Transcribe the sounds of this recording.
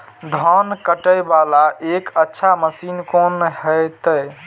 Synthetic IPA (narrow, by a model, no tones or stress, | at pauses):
d̪ʱɔnkəʈəjbalaʔekətːʃʰaməsinkonɦəɪt̪ə